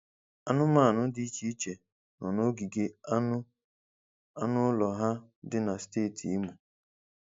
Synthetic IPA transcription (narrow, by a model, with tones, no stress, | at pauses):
a˦nʊ˦ma˦˨nʊ˦di˦i˦t͡ʃi˦i˦t͡ʃe˨ | nɔ˨no˦ɡi˨ɡe˦ | a˦nʊ˦lɔ˨ɦa˦ | dɪ˦na˨steː˦˨tʰi˨i˦mu˨